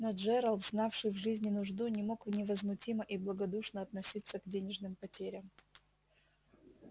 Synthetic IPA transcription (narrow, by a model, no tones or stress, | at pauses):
nɐd̪ʐɛɾəlˠt̪znafʂɨjvʐɨzʲnʲɪnʊʐd̪unʲɪmo̞kvnʲɪvəzmʊtʲiməʔiblˠəɡɐd̪uʂnəɐt̪nɐsʲit̪səɡdʲenʲɪʐnɨmpɐtʲeɾʲəm